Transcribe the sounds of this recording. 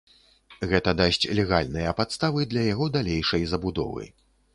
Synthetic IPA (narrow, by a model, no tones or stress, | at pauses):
ɣɛt̪ɐd̪asʲt͡sʲlʲɛɣalʲnɨjɐpat̪st̪avɨd̪lʲɐjaɣɔd̪alʲejʂɐjzɐbud̪ɔ̰vɨ̰